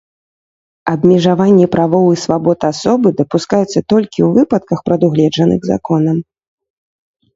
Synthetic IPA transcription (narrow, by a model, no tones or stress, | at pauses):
ɐbmʲɛʐavanʲːipɾavɔwɨsvabɔt̪asɔbɨd̪ɐpuskajut̪sːɐt̪ɔlʲkʲiwvɨpɐt̪kɐxpɾɐd̪uɣlʲɛd͡ʐɐnɨ̰ɣza̰kɔnɐm